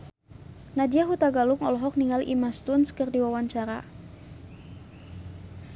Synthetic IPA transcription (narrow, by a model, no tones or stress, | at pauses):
nadiaɦut̪aɡalʊŋɔlɔɦɔk̚niŋalʔḭmast̪unskɨrdiwawaɲt͡ʃaɾa̰